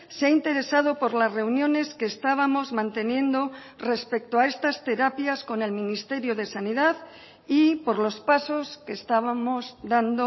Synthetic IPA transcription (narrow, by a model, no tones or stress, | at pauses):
seaint̪e̞ɾe̞sað̞o̞po̞ɾlazre̞unjo̞ne̞ske̞ːst̪aβ̞amo̞zmãnt̪e̞njẽ̞nd̪o̞ | re̞spe̞k̚t̪oae̞st̪ast̪e̞ɾapjasko̞ne̞lminist̪e̞ɾjo̞ð̞e̞saniðað | ipo̞ɾlo̞spaso̞ske̞ːst̪aβamo̞zd̪and̪o